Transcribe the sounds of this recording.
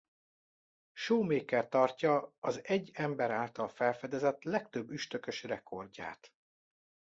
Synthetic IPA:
ʃoːmeːkːɛrt̪ɒrcɒɒzɛɟːɛmbɛɾaːlt̪ɒlfɛlfɛd̪ɛzɛt̪lɛkt̪øbːyʃt̪ø̞køʃrɛkʰo̞rda̰ːt̪

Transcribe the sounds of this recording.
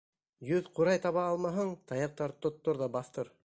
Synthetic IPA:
jɵðquɾɑjt̪ɑβɑɑlˠmɑɦɤɴt̪ɑjɑq̚t̪ɑɾt̪ŏt̪ːoɾðɑbɑθt̪ɤɾ

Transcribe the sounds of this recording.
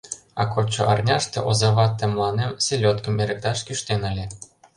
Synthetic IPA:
ɑ̰kot͡ɕːɤ̆ʔɑrnʲɑʂt̪ɤ̆ʔozɑβɑt̪ʲːĕmlˠɑnʲemsʲelʲot̪kɤ̆meɾʲɘ̆k̚t̪ɑʂkʲyʃt̪ʲenɑlʲɘ̆

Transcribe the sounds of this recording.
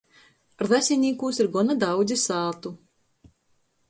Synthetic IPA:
ɾðasʲinʲiːkuːsiɾɡɔnad̪awd̪zʲisaːt̪u

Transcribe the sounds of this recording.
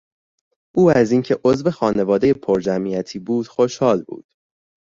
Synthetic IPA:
ʔuːæziːŋcʰeʔozve̞xɒːne̞vɒːd̪e̞jepʰoɾd͡ʒæmiːæt̪ʰiːbuːd̪̥xo̞ʃhɒːlbṵːd̪̥

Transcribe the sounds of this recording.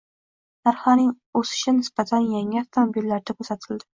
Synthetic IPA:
naɾhɒnɪŋ | ɵsɪ̥ʃɪnɪsbat̪ʰanjaŋʲɪaft̪ʰomobilːaɾd̪akʰʲɵsat̪ʰɪld̪ɪ

